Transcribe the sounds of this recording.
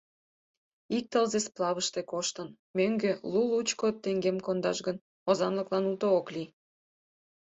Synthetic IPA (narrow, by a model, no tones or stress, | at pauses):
ik̚t̪əlzesplˠɑβəʃt̪ekoʃt̪ən | møŋɡølulut͡ɕkot̪ːeŋɡemkond̪ɑʃɡən | ozɑnləklɑnult̪ookli